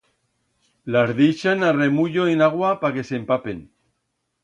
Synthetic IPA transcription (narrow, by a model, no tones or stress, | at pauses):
lazðeʃanaremuʎoenaɣ̞wapake̞sempapen